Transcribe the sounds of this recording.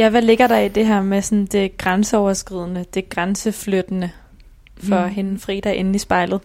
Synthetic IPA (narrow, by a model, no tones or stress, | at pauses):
jæʋæle̝ɡ̥ɐɾɑ̈id̥e̝ɦæɐmesɔ̽nd̥e̝ɡ̥ʁansəɒʊɐsɡ̥ʁið̞̰ˠnəd̥e̝ɡ̥ʁansəflød̥ənə | fɒ̽ɦe̝n̩fʁḭːd̥ɑʔe̝nn̩isb̥ɑ̈ɪlð̩ˠ